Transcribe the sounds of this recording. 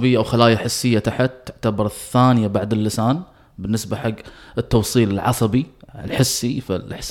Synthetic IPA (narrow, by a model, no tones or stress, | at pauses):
bɪjːaʔawxalaːjaħɪsːɪjːat̪aħat̪ːʊʕt̪abɑɾˤθːaːnɪjabaʕd̪ɪlːɪsaːn | bɪnːɪsbaħaɡːɪt̪ːɑwsˤiːlɪlʕɑ̰sˤɑbiɪlħɪsːifḭlħs